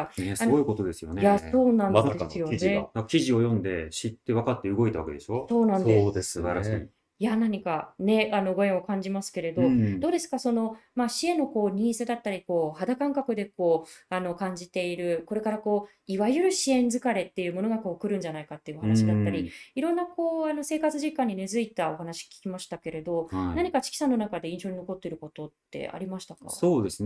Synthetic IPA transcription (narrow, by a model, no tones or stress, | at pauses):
anesaoɯko̞t̪o̞d̪e̞sɨjonejaso̞ːnãnd̪esɨjone̞akʲiʑio̞jõ̞nd̪e̞̰ɕit̪ːe̞βakat̪ːe̞ɯ̟ɡo̞it̪aβa̰kḛd̪e̞ɕo̞so̞ːnãnd̪ed̪eaɾaɕ | janaɲ̟ikane̞ano̞ɡo̞eokãɲ̟d͡ʑimasɨ̥ke̞ɾe̞d̪od̪̥o̞ːd̪e̞sɨ̥kaso̞no̞maɕie̞no̞ko̞ːɲ̟ĩːsed̪at̪ːaɾʲiko̞ːhad̪akãŋkakɯ̟d̪e̞ko̞ːano̞kãɲ̟d͡ʑit̪e̞iɾɯ̟ko̞ɾe̞kaɾako̞ː | iβajɯ̟ɾɯ̟ɕiẽ̞nd͡zɨkaɾe̞t̪ːe̞jɯ̟ːmo̞no̞ɡako̞ːkɯ̟ɾɯ̟̃ɲ̟d͡ʑanaikat̪ːe̞jɯ̟hanaɕid̪at̪ːaɾʲiiɾõ̞nːako̞ːano̞se̞ːkat͡sɨʑikãɲ̟ːine̞zɨit̪ao̞ɦanaɕi̥kʲi̥kʲimaɕi̥t̪ake̞ɾe̞d̪o̞naɲ̟ikat͡ɕi̥kʲi̥sanːo̞nakad̪e̞ĩɰ̃ɕoɲ̟ino̞ko̞t̪ːe̞iɾɯ̟ko̞t̪o̞t̪ːe̞̰a̰ɾʲimaɕi̥t̪aka̰oːd̪es